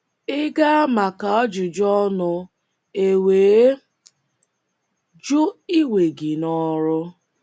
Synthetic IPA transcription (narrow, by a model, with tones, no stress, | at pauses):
ɪ˦ɡa˦a˦ma˨ka˨ɔ˦d͡ʒʊ˨d͡ʒɔ˦nʊ˦ | e˨weː˨˦ | d͡ʒo˦i˦we˨ɡɪ˨nɔ˦ɾʊ˦